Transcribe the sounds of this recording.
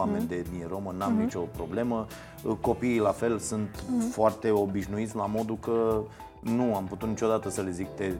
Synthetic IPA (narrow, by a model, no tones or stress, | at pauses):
ame̞nʲd̪e̞d̪nieɾo̞mənamnit͡ʃo̞pɾo̞ble̞mə | ko̞piːlafe̞lsunt̪foart̪e̞o̞biʃnuit̪sʲlamo̞d̪ukə | nuamput̪ut̪nit͡ʃo̞d̪at̪əsəle̞zik̚t̪e